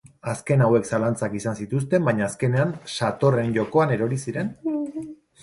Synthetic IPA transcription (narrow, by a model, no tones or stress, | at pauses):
aske̞nawe̞ksalant͡sakisansit̪us̬t̪e̞mbajɲaːske̞ne̞anʃat̪o̞re̞nʝo̞ko̞ane̞ɾo̞ɾisiɾe̞n